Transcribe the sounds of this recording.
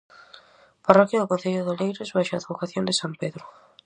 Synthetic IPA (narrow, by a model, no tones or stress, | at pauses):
parɔkjaðʊkõn̟θeʎʊðolejɾɪzβaʃaːðβukaθjõnd̪ɪsampeðɾʊ